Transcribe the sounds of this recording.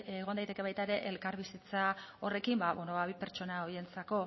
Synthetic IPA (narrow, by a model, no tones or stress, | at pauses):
eɣnd̪ajt̪ekeβ̞ajt̪aeɾe̞ʔelkaɾβisit͡sao̞re̞kimbaβonoβaβipe̞ɾt͡ʃo̞nao̞ɾie̞nt͡sako̞